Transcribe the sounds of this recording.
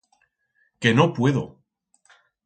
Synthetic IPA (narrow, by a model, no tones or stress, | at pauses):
ke̞nopwe̞ðo̰